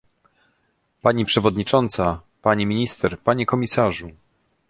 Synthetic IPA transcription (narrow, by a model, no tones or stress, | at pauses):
paɲipʂɛvɔd̪ɲit͡ʂɔnt̪sa | paɲimʲiɲist̪ɛɾpaɲɛkɔmʲisaʐu